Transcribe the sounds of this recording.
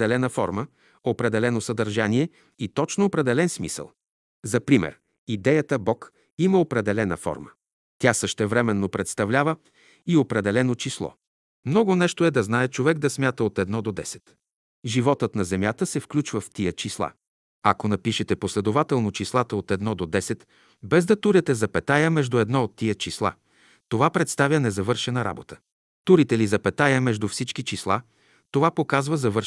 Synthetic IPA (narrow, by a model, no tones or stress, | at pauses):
d̪ɛlɛnəfɔ̰ɾmə | opɾɛd̪ɛlɛnosəd̪əɾʒaniɛ | it̪ɔt͡ʃnoopɾɛd̪ɛlɛnsmḭsə̰lˠ | zɐpɾimɛ̰ɾ | id̪ɛjət̪əbɔk | iməopɾɛd̪ɛlɛnə̰fɔ̰ɾmə | t̪ʲasəʃt̪ɛvɾɛmɛnːopɾɛt̪st̪ɐvlʲavə | iopɾɛd̪ɛlɛnot͡ʃislˠɔ̰ | mnɔɡonɛʃt̪oɛd̪ɐznaɛt͡ʃovɛɡ̚d̪ɐsmʲjat̪əot̪ɛd̪nɔd̪od̪ɛsɛ̥t̪ | ʒivɔt̪ət̪nɐzɛmjat̪əsɛfklʲut͡ʃvəft̪ijət͡ʃislˠa̰ | ɐ̰konɐpiʃɛt̪ɛposlɛd̪ovat̪ɛlˠnot͡ʃislˠat̪əot̪ɛd̪nɔd̪od̪ɛsɛt̪ | bɛzd̪ɐt̪uɾɛt̪ɛzɐpɛt̪ajəmɛʒd̪ʊɛd̪nɔot̪ːiət͡ʃislˠa̰ | t̪ovapɾɛt̪st̪avʲjənɛzɐvɤɾʃɛnəɾa̰bot̪ə̥ | t̪uɾit̪ɛlizɐpɛt̪ajəmɛʒd̪ufsit͡ʃkit͡ʃislˠa̰ | t̪ovapokazvəzɐvɤɾ